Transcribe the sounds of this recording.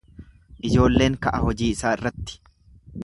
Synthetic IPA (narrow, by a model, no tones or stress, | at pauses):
ʔɪd͡ʒo̞ːlːe̞ːŋkɐʔɐhɔd͡ʒiːɪsaːɪrːɐt̪ːɪ̥